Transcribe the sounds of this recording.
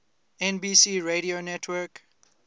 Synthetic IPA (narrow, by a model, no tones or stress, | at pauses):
ɛ̃nbiːsiːɹeɾionɛtʰwək